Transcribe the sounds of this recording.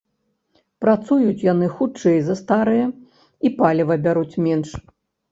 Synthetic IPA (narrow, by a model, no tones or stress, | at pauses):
pɾat̪sujut͡sʲjanɨxut͡ʂɛjzɐst̪aɾɨjɐ | ipalʲɛvɐbʲaɾut͡sʲmʲɛnʂ